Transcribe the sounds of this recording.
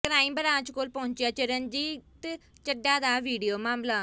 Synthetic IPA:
kɾaːiːmbəɾãːt͡ʃkoːlpəʊ̃ɲt͡ʃjaːt͡ʃəɾənd͡ʒiːt̪et͡ʃəɖaːd̪aːʋiːɖijoːmaːmlaː

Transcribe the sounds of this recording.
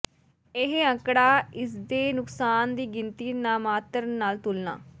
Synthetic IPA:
ɪɦəkɽaːɪsd̪eːnʊksaːnd̪iːɡɪnt̪iːnaːmaːt̪əɾnaːlt̪ʊlna̰ː

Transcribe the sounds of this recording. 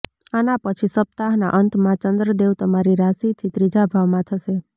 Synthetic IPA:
anapət͡ʃʰisəp̚t̪aɦna̰ʔənt̪mãt͡ʃənd̪ɾəd̪ewt̪əmaɾiɾasit̪ʰit̪ɾid͡ʒabʱaʋmãt̪ʰəʃe

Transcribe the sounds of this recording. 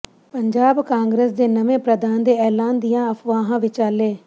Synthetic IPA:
pəɲd͡ʒaːbkãːŋɡɾeːsd̪eːnəʋẽːpɾəd̪aːnd̪eːɛːlaːnd̪ɪjãːəpʰʋãːɦãːʋɪt͡ʃaːleː

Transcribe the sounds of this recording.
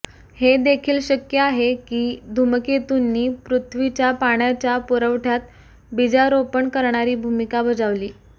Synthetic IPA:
hed̪ekʰiːlɕəkjəaɦekiːd̪ʱuməket̪unːiːpɾut̪ʰʋit͡ɕjapaɽ̃jat͡ɕjapuɾəʋʈʰjat̪̚ | bid͡zaɾopəɳkəɾɳ̃aɾiːbʱumikabəd͡zaʋliː

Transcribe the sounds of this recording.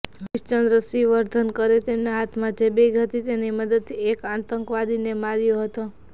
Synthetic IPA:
ɦɪʃt͡ʃənd̪ɾəsiʋəɾd̪ʱənkəɾet̪emnaɦat̪ʰmãd͡ʒebeɡʱət̪it̪eniməd̪əd̪̚ʰiekãt̪əŋkʋad̪inemaɾjoɦət̪o

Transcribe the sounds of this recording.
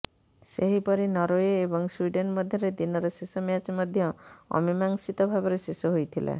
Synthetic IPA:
seɦipɔɾinɔɾoeːbɔŋswiɖenʈmɔd̪ʱjɔɾed̪inɔɾɔsesɔmjat͡ʃmɔd̪ʱjɔɔ̰mimaŋsit̪ɔbʱabɔɾesesɔɦojt̪ʰilḛ

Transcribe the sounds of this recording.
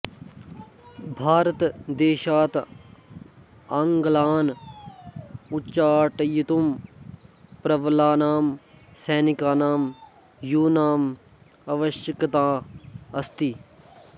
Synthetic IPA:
bʱaːɾət̪d̪eːʃaːt̪ | ɐŋɡlaːn | utːt͡ʃaːʈjit̪um | pɾɐʋlaːnaːmseːnikaːnaːm | juːnaːm | ɐʋɐʃjəkt̪aːɐst̪i

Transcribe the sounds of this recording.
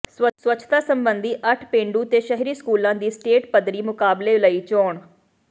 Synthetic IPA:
swəswət͡ʃʰt̪aːsəmbənd̪iːʔəʈʰpẽːɳɖuːt̪eːʃəɦɾiːskuːlãːd̪iːsʈeːʈpəd̪ɾiːmʊkaːbleːləiːt͡ʃɔːɳ

